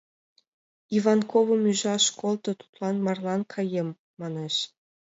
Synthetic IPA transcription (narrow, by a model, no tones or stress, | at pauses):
ivɑnkʰoβɤ̆myʒɑʃkolˠt̪ɤ̆t̪u̥t̪lˠɑnmɑrlˠɑnkʰɑjemː | ɑneʃ